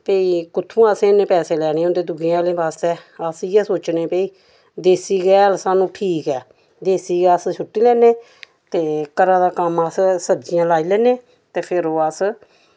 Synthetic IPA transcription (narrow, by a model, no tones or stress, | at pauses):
peiːkʊt̪ʰːũːasẽːnẽːpɛːseːlɛːñeːʊnd̪eːd̪ʊɡijãːleːbaːst̪eːəsɪːɛːsoːt͡ʃneːpeiː | d̪eːsiːɡɛːəlsaːnũːʈʰiːkɛː | d̪eːsiːɡəsʃʰʊʈːiːlɛːnẽː | t̪eːkəɾaːd̪aːkəməssəd͡ʒɪjãːlaːiːlɛːneː | t̪eːpʰɪɾoːəs